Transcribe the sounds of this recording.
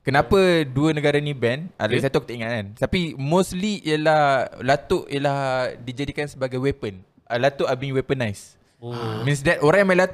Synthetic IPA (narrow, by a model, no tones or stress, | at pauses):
kənãpəduənəɡaɾanĩbɛnʔa̰lasat̪ukət̪əiŋaʔant̪apimosliḭəlahlat̪ʊʔjəlahdid͡ʒadikansəbaɡajwɛpən | əlat̪uʔabiiŋwɛpənajs | mĩns̬dɛt̪oɾãŋjamalat̪